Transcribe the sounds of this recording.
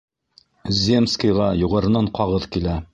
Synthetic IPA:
zʲemskəjʁɑjuʁɑɾɤ̆nɑɴqɑʁɤðkilæ

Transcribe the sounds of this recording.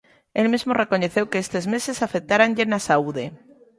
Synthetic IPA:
elmizmore̞ko̞ɲe̞θe̞wkeest̪ezmesesafek̚t̪aɾanʎenasauðe

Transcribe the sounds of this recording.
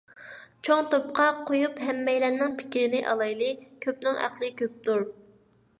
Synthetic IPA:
t͡ʃʰoŋt̪op̚qʰɑqʰojupɦɛmːɛjlɛnːɪŋpʰɪ̥kʲɾɪnɪʔɑ̰lˠɑjlˠɨkʲʰøpnɪŋʔæ̰χlˠɪkʲøp̚t̪uɾ

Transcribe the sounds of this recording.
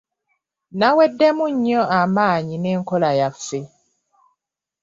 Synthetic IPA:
nawedːemuɲːoamaːɲineːŋkolajafe

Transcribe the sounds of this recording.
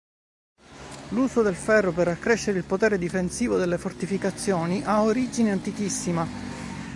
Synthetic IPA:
luːsod̪elfɛrːoperːakːɾeʃːeɾeilpot̪eːɾed̪ifensiːvod̪elːefort̪ifikat̪sːjoːniʔaoɾid͡ʒineant̪ikisːima

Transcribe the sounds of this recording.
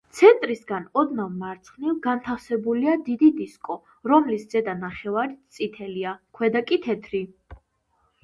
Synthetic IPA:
t̪sʰɛnt̪ʼɾisɡanɔd̪navmaɾt̪sʰχnilˠɡant̪ʰafsɛbuliad̪id̪id̪iskʼɔ | ɾɔmlisd̪z̥ɛd̪anaχɛvaɾit̪t̪sʼit̪ʰɛliakʰwɛd̪akʼit̪ʰɛt̪ʰɾi

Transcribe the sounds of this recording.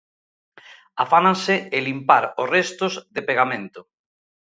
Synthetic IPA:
afanãnsɪelimpaɾosrest̪ʊzðepeɣamẽnt̪ʊ

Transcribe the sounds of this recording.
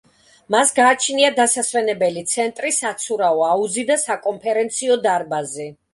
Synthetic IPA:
masɡaːt͡ʃʰniad̪asasvɛnɛbɛlit̪sʰɛnt̪ʼɾisat̪sʰuɾaɔauzid̪asakʼɔmpʰɛɾɛnt̪sʰiɔd̪aɾbazɛ

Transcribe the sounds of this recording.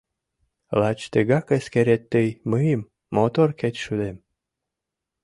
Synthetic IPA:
lɑt͡ɕt̪əɡɑkəskeɾet̪ːəjmɨjəmː | ot̪orket̪ʲʃud̪em

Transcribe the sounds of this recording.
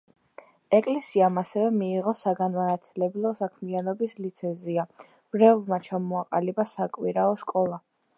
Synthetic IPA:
ɛkʼlɛsiamasɛvɛmiːʁɔsaɡanmanat̪ʰlɛblˠɔsakʰmianɔbislit̪sʰɛzia | mɾɛlˠmat͡ʃʰamɔaqʼalibasakʼwiɾaɔskʼɔlˠa

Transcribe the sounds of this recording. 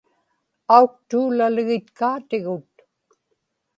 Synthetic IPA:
auk̚t̪uːlalɪɣɪt̪kaːt̪ɪɣʊt̪

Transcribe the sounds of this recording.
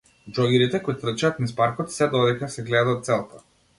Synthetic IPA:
d͡ʒɔɡʲiɾit̪ɛkɔjt̪r̩t͡ʃaːt̪nispaɾkɔt̪sɛd̪ɔd̪ɛkasɛɡlɛd̪aɔt̪t̪sɛlˠt̪a

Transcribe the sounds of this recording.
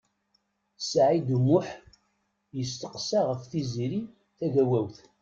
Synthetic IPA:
sʕid̪umʊħ | jəst̪əqsaʁəfθiziɾi | θæʝæwæwθ

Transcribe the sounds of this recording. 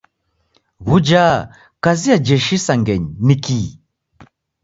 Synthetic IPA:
βud͡ʒaː | kaziad͡ʒɛʃisaŋɡɛɲniki

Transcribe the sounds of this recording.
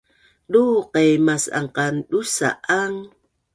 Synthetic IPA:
duqejmasa̰ɴqanɗusa̰ʔaŋ

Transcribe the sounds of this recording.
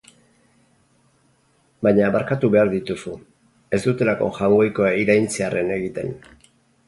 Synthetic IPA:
baɲaβaɾkat̪uβe̞aɾðit̪usu | e̞zd̪ut̪e̞lako̞̰ʝawɣojko̞aiɾajnt͡seare̞ne̞ɣit̪ḛn

